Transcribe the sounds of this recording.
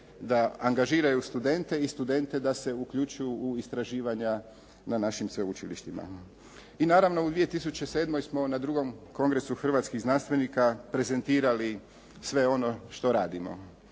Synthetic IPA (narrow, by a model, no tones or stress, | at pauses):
d̪aaŋɡaʒiːɾajust̪ud̪e̞nt̪e̞ist̪ud̪e̞nt̪e̞d̪ase̞ukʎut͡ʃujuːist̪ɾaʒiːʋaɲa | nanaʃimsʋe̞ut͡ʃilḭʃt̪ima̰ | inaːɾaʋno̞ud̪ʋije̞t̪is̬ut͡ɕeseːd̪mo̞jsmo̞nad̪ɾuɡo̞mko̞ŋɡɾesuxr̩ʋat̪skiɣznanst̪ʋe̞nikapɾe̞ze̞nt̪iːɾali | sʋe̞o̞no̞ʃt̪o̞ɾaːd̪imo̞̰